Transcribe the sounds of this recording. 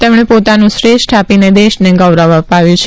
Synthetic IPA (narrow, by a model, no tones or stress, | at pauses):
t̪emɽ̃epot̪anũsɾeʃʈʰapined̪eʃneɡəʋɾəʋapaʋjũt͡ʃʰ